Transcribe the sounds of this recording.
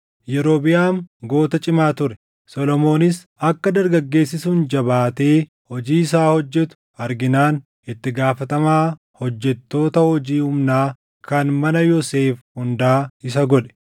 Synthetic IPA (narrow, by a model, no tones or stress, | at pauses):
jɛɾo̞ːbɪjaːmɡo̞ːt̪ɐt͡ʃʼɪmaːt̪ʊɾɛ | sɔlɔmo̞ːnɪs | ɐkːɐd̪ɐɾɡɐɡːe̞ːsːɪsuːnd͡ʒɐbaːt̪e̞ː | hɔd͡ʒiːɪsaːhɔd͡ʒːɛt̪ʊ̥ | ɐɾɡɪnaːn | ɪt̪ːɪɡaːfɐt̪ɐmaː | hɔd͡ʒːɛt̪ːo̞ːt̪ɐhɔd͡ʒiːhʊmnaː | kɐnmɐnɐjɔse̞ːfhʊnd̪aːɪs̬ɐɡɔᶑɛ̥